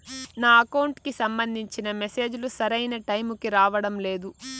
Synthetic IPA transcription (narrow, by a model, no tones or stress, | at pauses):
naːɐkɐwɳʈkisɐmbɐnd̪ʱiɲt͡ʃinɐmese̞ːd͡ʒulusɐɾɐjnɐʈɐjmukiɾaːʋɐɽɐmle̞ːd̪u